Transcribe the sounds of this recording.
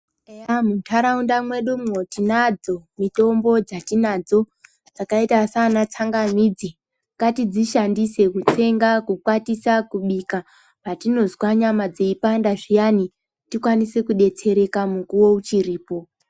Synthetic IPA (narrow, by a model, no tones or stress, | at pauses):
ejamutʰaɾaundamwe̞ɗumŋo̞tinad͡zo̞mito̞mbo̞d͡zatinad͡zo̞ | d͡zakaitasanat͡saŋɡamiːd͡zi | ŋɡatid͡ziʃandise̞kut͡se̞ŋɡakukwatisakuɓika | patino̞zwaɲamad͡ze̞ipandaʐijani | tikwanisekuɗe̞t͡se̞ɾe̞kamukuwo̞ut͡ʃiɾiːpo̞